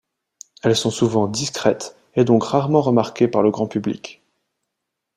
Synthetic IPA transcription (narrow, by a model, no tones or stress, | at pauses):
ɛlsɔ̃suvɑ̃d̪iskχɛt̪ | ed̪ɔ̃kʁaʁmɑ̃ʁəmaʁkʲepaʁləɡʁɑ̃pyblḭk